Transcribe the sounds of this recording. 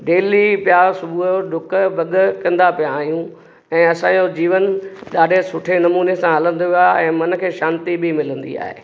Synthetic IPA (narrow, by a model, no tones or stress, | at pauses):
ɖeːlipɪjaːɾsʊbʱuoɖʱʊkbɐɠʊkɐ̃nd̪apijãaːɦjũ | ɛ̃ːɐsãd͡ʑod͡ʑiːʋənɗaːɗesʊʈʰenɐmuːnesãɦɐlə̃nd̪oʋaːɛ̃ːmɐn̆kʰeːʃaːnt̪ibʱɪmɪlə̃nd̪ḭa̰ːɦḛ